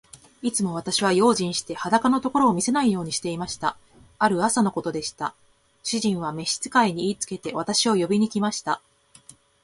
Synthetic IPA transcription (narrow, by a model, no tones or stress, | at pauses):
it͡sɨmo̞β̞at̪aɕiβ̞ajo̞ːʑĩɰ̃ɕi̥t̪e̞had̪akano̞t̪o̞ko̞ɾo̞ːmʲise̞naijo̞ːɲ̟iɕi̥t̪e̞imaɕi̥t̪a̰ | aɾɯ̟asano̞ko̞t̪o̞d̪e̞ɕi̥t̪a | ɕiʑĩɰ̃βame̞ɕi̥t͡sɨ̥kaiɲ̟iiːt͡sɨ̥ke̞t̪e̞β̞at̪aɕio̞jo̞bʲiɲ̟ikʲimaɕi̥t̪a